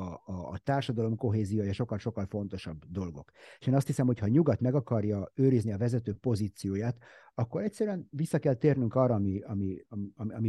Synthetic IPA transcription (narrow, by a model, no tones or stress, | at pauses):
t̪aːrʃɒd̪ɒlo̞mko̞ɦeːzijoːjɒʃo̞kːɒlʃo̞kːɒlfo̞n̪t̪o̞ʃɒbːd̪o̞lɡo̞̰keʃeːnɒst̪hisɛmho̞chɒɲuɡɒt̪mɛɡɒkɒrjɒøːɾizniɒvɛzɛt̪øːpo̞ziːt̪sijoːjaːt̪ | ɒkːo̞ɾɛcsɛɾyɛnvisːɒkɛlt̪eːrnyŋkɒːrːɒːmiɒmiɒmɒmi